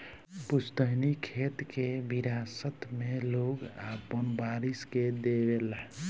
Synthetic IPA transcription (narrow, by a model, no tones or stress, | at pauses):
pust̪əɦnikʰet̪kebiɾasət̪meloɡapənbaɾisked̪ebel